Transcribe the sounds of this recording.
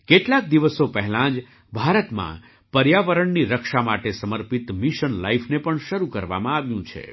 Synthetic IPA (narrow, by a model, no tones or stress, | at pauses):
keʈlak̚d̪iʋəsopəɦɛlãd͡ʒ | bʱaɾət̪mã̰ | pəɾjaʋəɾəɳniɾəkʃamaʈesəməɾpit̪miʃənla̰jfʰnepəɳʃəɾukəɾʋa̰mãaʋjũt͡ʃʰḛ